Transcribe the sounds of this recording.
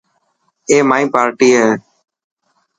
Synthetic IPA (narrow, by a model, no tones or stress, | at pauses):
eːmaːĩːpaːɾʈiːɦɛː